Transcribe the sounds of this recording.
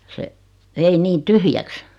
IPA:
se ʋei niː tyhjæks

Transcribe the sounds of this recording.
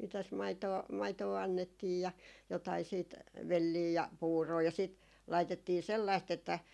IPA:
mitæs mɑitoː mɑitoː ɑnːetːiːj jɑ jotɑi siːt ʋelːiː jɑ puːroː jɑ siˑt lɑitetːiː selːɑist etːæ

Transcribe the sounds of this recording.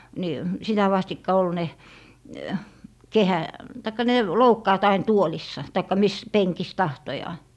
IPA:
ni sitæ ʋɑstikːɑ ol ne kehæ tɑikːɑ ne loukːɑːt ɑin tuolisːɑ tɑikːɑ mis peŋkis tɑhtojɑː

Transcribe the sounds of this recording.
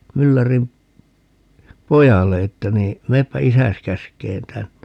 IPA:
mylːærim pojɑlːe etːæ niː meːpːæ isæs kæskˑeːn tænːe

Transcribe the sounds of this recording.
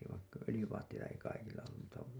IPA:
ʋɑikːɑ ølĭjyʋɑːtːeitɑ ei kɑikilːɑ olːum mutːɑ

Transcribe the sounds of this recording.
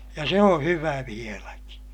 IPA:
jɑ se õː hyʋæ ʋielæki

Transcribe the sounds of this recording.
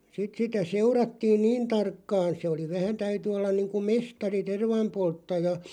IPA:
sit sitæ seurɑtːiːn niːn tɑrkːɑːn̞ se oli ʋæhæn tæyty olːɑn niːŋku mestɑri terʋɑmpoltːɑjɑ

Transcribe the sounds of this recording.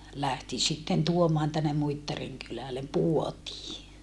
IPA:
læhti sitːen tuomɑːn tænːe muitːɑriŋ kylælem puotiː

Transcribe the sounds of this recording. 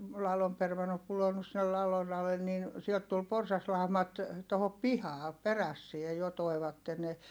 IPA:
lɑlom permɑnːo pulonːus sinːel lɑlon ɑlen nin siɛlt tul porsɑslɑˑu̞mɑt tohop pihɑː peræsːie jo toi̯ʋɑtːe ne

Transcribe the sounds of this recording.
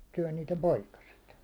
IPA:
syæ̹ niːtem poikɑset

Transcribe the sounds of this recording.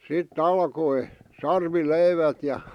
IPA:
sit ɑlkoi sɑrʋileiʋæt jɑ

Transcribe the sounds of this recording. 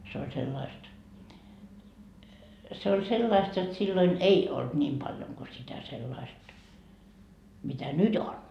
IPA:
se olʲ selːɑist se olʲ selːɑist jot silːoin ei olt nʲiːm pɑljoŋ ko sitæ selːɑist mitæ nyt on

